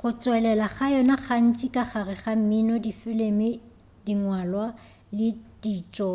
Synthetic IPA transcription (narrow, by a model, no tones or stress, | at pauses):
χʊt͡sʼwɛlɛlaχajɔnaχan̩t͡ʃʼɪkʼaχarɪχam̩minɔdifɪlemɪ | diŋwalwa | lɪd̥iːt͡ʃʼɔ